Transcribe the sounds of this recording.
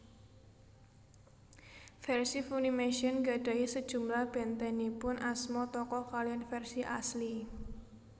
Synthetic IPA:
fɛrsifunimeʃiənɡaɖ̥a̤isəd̥ʒ̥ṳmlahb̥ɛ̤nt̪ɛnipʊnasmɔt̪ɔkɔkalianfɛrsiʔasli

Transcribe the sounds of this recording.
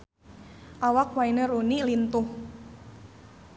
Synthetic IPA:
ʔawak̚wainəɾunilint̪ʊh

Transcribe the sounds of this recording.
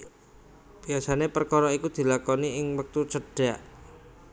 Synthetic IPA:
b̥iasanepərkɔɾɔikud̪̥i̤lakɔniɪŋwək̚t̪ut͡ʃəɖ̥aʔ

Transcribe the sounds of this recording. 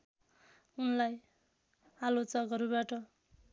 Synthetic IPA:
unlaj | alot͡sʌɡʌɾubaʈʌ

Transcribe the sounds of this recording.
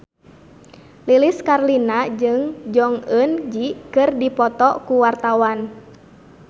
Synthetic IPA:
liliskarlinad͡ʒɨŋd͡ʒɔŋənd͡ʒikɨrdipɔt̪ɔkuwart̪awan

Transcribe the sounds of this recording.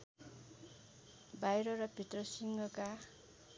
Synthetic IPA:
bajɾʌɾʌpit̪rʌsiŋɡʌka

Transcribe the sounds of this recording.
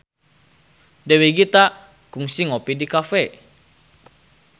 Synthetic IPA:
deweɡit̪a | kuŋsiŋopidikafɛ

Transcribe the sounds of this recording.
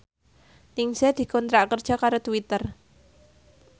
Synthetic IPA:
nɪŋsɛd̪̥i̤kɔnt̪ɾaʔkərd̥ʒ̥akaɾot̪uwit̪ər

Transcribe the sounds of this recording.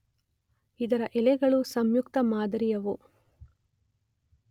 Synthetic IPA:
id̪ɐɾɐʔɛlɛɡɐɭusɐmjukt̪ɐmaːd̪ɐɾijɐʋu

